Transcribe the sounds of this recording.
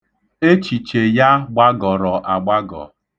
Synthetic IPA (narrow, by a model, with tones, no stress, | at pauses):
e˦t͡ʃi˨t͡ʃe˨ja˦ɡ͡ba˦ɡɔ˨ɾɔ˨ʔa˨ɡ͡ba˦ɡɔ̰˨